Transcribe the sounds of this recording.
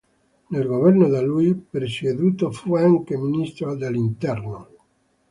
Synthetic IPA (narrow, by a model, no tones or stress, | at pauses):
nelɡoβeɾnoðalujpeɾsieðut̪ofweaŋkeminist̪ɾod̪elint̪eɾno